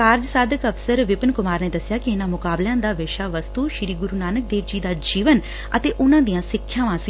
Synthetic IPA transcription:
aːɾd͡ʒsaːd̪əkəpʰsəɾʋɪpənkʊmaːɾneːd̪əsjaːkɪɪnãːmʊkaːbljãːd̪aːʋɪʃaːʋəst̪uːʃɾiːɡʊɾuːnaːnək̚d̪eːɾd͡ʒiːd̪aːd͡ʒiːʋən | ət̪eːʔʊnãːd̪ijãːsɪkʰːjãːʋãːs

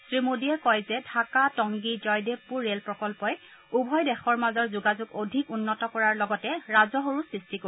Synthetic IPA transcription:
sɹimodiɛkɔjzɛdʱakatɔŋɡid͡ʒɔjdepːuɹːelpɹɔkɔlpɔj | ubʱɔjdɛxɔɹmazɔɹzuɡazuɡodʱikunːɔtɔkɔɹaɹlɔɡɔtɛɹazɔɦoɹusɹistiko

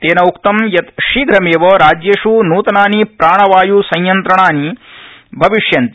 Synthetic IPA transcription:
t̪eːnɐukt̪ɐmjɐt̪ʃiːɡɾɐmeːʋɐɾaːd͡ʒjɐʂunuːt̪ɐnaːnipɾaːɳɐʋaːjusɐ̃jjɐnt̪ɾɐɳaːni | bʱɐʋiʂjɐnt̪i

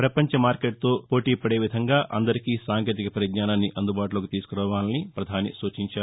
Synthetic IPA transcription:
pɾɐpɐɲt͡ʃɐmaːɾkeːʈ̚t̪o̞ːpo̞ːʈiːpɐɽeːʋid̪ʱɐŋɡaːʔɐnd̪ɐɾikisaːŋkeːt̪ikɐpɐɾjɐd̪ɲaːnaːnːiʔɐnd̪ubaːʈuloːkit̪iːsu̥kuɾɐːʋaːnɐnipɾɐd̪ʱaːnḭsuːt͡ʃiɲt͡ʃaːɾ

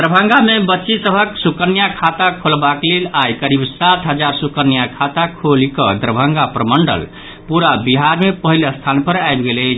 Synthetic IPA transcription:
d̪əɾəbʱə̃ŋɡamebətːʃisəbʱəksukənjakʰat̪akʰolbaklelajkəɾibsat̪ɦəd͡ʒaɾsukənijakʰat̪akʰolikəd̪əɾbʱəŋɡapɾəməɳɖə̰l | puɾabiɦaɾmepəɦiləst̪ʰanpəɾajbɡelət͡ʃʰ

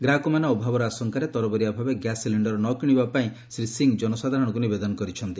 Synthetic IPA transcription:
ɡɾakomanaɔbʱabɔɾɔasɔŋkaɾet̪ɔɾɔbɔɾiabʱabeɡjasliɳɖɔɾɔnɔkiɽ̃ibapaĩ | sɾisiŋd͡ʒɔnɔsad̪ʱaɾɔɽ̃ɔkunibed̪ɔnɔkɔɾit͡ʃʰɔnt̪i

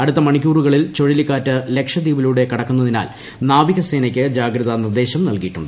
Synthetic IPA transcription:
ɐɽut̪ːɐmɐɳikʲːuːruɣɐɭilt͡ɕo̞ɻilikːaːtːɨle̞kʂɐd̪iːʋiluɽe̞kɐɽɐkːunːɐðina̰ːl | naːʋiɣɐse̞ːnɐkʲːɨd͡ʑaːɡɾɐðɐnird̪e̞ːɕɐmnɐlkijiʈːṵɳɖɨ

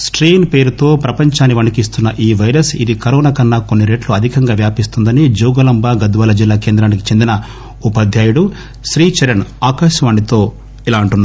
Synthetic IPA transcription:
sʈɾiːnpe̞ːɾut̪o̞ːpɾɐpɐɲt͡ʃaːnːiʋɐɳikist̪unːɐʔiːʋɐjɾɐsid̪ikɐɾɔːnaːkɐnːɐko̞nːiɾe̞ːʈluɐd̪ʱikɐŋɡaːʋjaːpist̪und̪ɐnid͡ʒuːɡɐlɐmbaːɡɐd̪ʋɐːlɐd͡ʒilːaːkeːnd̪ɾaːniki̥t͡ʃe̞nd̪inɐ | upɐd̪ʱjaːjuɽu | ʃɾiːt͡ʃɐɾɐnaːkaːʃɐmɐːɳit̪o̞ː | ilaːɐɳʈunːaɾ

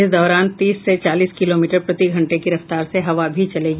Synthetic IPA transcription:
ɪsd̪ɔːɾaːnt̪iːsːet͡ʃaːliːskɪloːmiːʈəɾpɾɐt̪iɡʱɐ̃ɳʈekiɾɐft̪aːɾseɦɐʋabʱit͡ʃɐleːɡiː

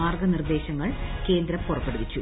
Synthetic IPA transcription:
aːrɡɐnird̪e̞ːɕɐŋːɐɭke̞ːnd̪ɾɐmpurɐpːe̞ɽuʋit͡ɕːu

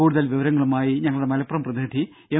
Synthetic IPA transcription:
uːɽuðɐlʋiʋɐɾɐŋːɐɭumaːjiɲɐŋːɐɭuɽe̞mɐlɐpːɐrɐmprɐðɨːʈʰi | e

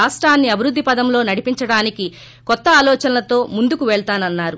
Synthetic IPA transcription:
aːsʈɾaːnːiɐbʱiɾud̪ːipɐd̪ɐmlo̞ːnɐɽipiɲt͡ʃɐɽaːniki | kɔt̪ːɐaːlɔːt͡ʃɐnɐlɐt̪o̞ːmund̪ukuʋɛɭt̪aːnɐnːaːɾu

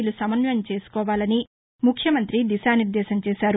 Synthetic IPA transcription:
lusɐmɐnjɐmt͡ʃe̞ːsu̥kɔːʋaːlɐni | mukʰjɐmɐnt̪ɾid̪isaːniɾd̪ɛːʃɐnt͡ʃeːsaːɾu

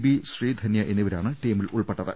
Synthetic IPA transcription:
biɕriːd̪ʱɐnjɐʔenːiʋɐɾa̰ːɳɨʈiːmiluɭpeʈːɐðɨ̰

